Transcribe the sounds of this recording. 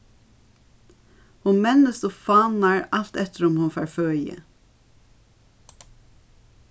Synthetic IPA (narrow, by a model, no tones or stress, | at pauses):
hunmɛnəst̪oːfɑːnɑɹɑlt̪ɛt̪əɾɔmhʊnfɑːɹføːjə̰